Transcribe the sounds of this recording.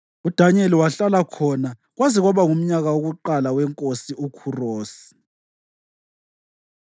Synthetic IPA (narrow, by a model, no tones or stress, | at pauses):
ud̥ʱaɲeliwaɬalakʰɔna | ɣwaziɣwaβaŋum̩ɲaɣawoɣuǃalawɛŋkʼosiʔukʰuroːsi̥